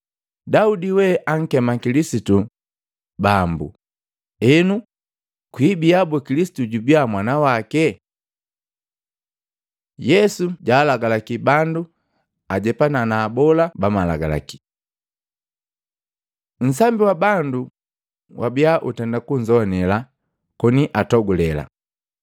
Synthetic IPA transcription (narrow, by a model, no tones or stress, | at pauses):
daudiwɛʔaŋ̩kɛmakilisitu | bambṵ | ɛnu | kwibiabɔkilisi̥tuɟubiamwanawakɛ | jɛsuɟaːlaɡalakibandu | aɟɛpananaːbɔlabamalaɡa̰la̰ki̥ | n̩s̬ambiwabandu | wʔabiaʔutɛndakuɲ̩zɔanɛla | kɔniʔatɔɡulɛla̰